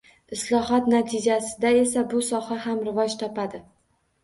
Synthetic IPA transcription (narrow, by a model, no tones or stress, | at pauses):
ɪslˠɒɦɒt̪nat̪ʰɪd͡ʒasɪd̪ae̞sabʊsɒhahamɾɪvɒd͡ʒt̪ʰɒpʰad̪ɪ